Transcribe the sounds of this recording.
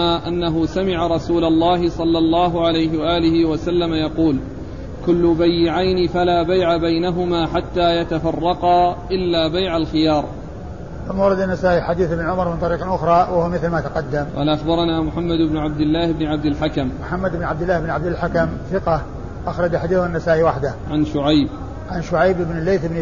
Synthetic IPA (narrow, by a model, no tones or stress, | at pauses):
aʔanːaɦʊsamɪʕaɾˤɑsuːlɑlˤːɑːɦɪsˤɑlːɑlˤːɑːɦʊʕalajɦɪwaʔaːlɪhɪwasalːamajɑquːl | kʊlːʊbajːɪʕajnɪfalaːbajʕabajnaɦʊmaːħat̪ːaːjat̪afɑrˤːɑqɑʔɪlːaːbajʕalxɪjɑːɾˤ | ʊmːawɑɾˤɑd̪anːasaːʔiħad̪iːθɪbnʕʊmɑɾˤmɪnt̪ˤɑɾiːqʔʊxɾˤɑːwɪhumɪθlmaːt̪aqɑd̪ːamqɑ̰ːlaʔaxbɑɾˤɑnaːmʊħamːad̪ɪbnʊʕab̚d̪ɪlːaːhɪbnɪʕab̚d̪ɪlħakammʊħamːad̪ɪbnʕabd̪ɪlːaːhɪbnʕabd̪ɪlħakamθɪqɑ | ʔaxɾˤɑd͡ʒħad̪iːθanːasaːʔiwaħd̪aʕanʃʊʕajb | ʕanʃʊʕajbʔɪbnɪlːejθɪbn